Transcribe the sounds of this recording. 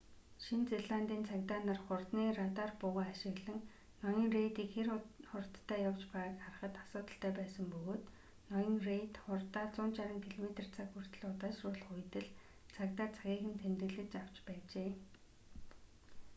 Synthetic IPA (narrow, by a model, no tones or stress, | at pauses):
ʃint͡seɮant̪iːnt͡sʰakt̪aːnarχʊrt̪niːrat̪arpʊʁaːaʃɪ̆ɣɮə̆ŋ | nɔjɞ̆ŋrejt̪iːkxerχʊrt̪ʰːæːjawt͡ɕpæʁaːkχarə̆χə̆t̪ḁsʊːt̪ə̆ɬt̪ʰæːpæːsə̆mpɵɣoːt̪ | nɔjɞ̆ŋrejt̪χʊrt̪aːt͡sʊːnt͡ɕaɾə̆ŋkʰiɮɔmet̪ə̆r̥t͡sʰakxur̥t̪ɵ̆ɮʊt̪aːʃrʊːɮχʊjt̪ɘ̆ɮ | t͡sʰakt̪aːt͡sʰaɣʲiːxɘ̆nt̪ʰent̪rɘ̆ɮɘ̆t͡ɕaw̥t͡ɕpæːt͡ɕeː